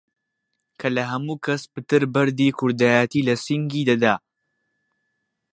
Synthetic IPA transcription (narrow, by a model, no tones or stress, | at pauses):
kʰɐlɐɦɐmuːkʰɐspɨt̪ɨɾbɐɾd̪ikʰʊɾd̪aːjaːt̪iːlɐsiŋɡiːd̪ɐd̪aː